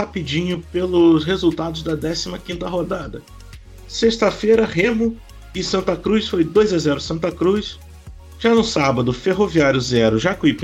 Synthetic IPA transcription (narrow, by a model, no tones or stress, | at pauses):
hapid͡ʒĩɲʊpelʊsɦezuwt̪ad̪ʊzd̪ɐd̪ɛsimɐkĩnt̪ɐɦod̪ad̪ɐ | sest̪ɐfejɾɐɦẽmʊ | ɪsɐ̃nt̪ɐkɾusfojd̪ojzazɛɾʊsɐ̃nt̪ɐkɾus | ʒ̥anʊsabɐd̪ʊfeɦoviaɾjʊzɛɾʊʒakwipẽ